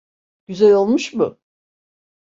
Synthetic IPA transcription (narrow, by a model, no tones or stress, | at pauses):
ɟ̥yzælʲo̞lˠmuʃmʊ